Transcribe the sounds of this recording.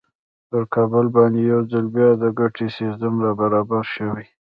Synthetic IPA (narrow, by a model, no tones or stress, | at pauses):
pəɾkɑbʊlbɑnd̪ejawd͡zalbjɑd̪əɡaʈʰesɪst̪əmɾabaɾɑbaɾʃəwi